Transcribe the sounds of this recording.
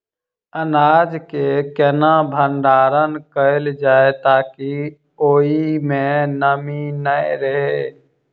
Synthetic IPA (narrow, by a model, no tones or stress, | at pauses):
ənaːd͡ʒkekɛnãbʱə̃nɖaːɾənkəɪld͡ʒaːet̪aːki | oːimẽnəminəjɾəɦe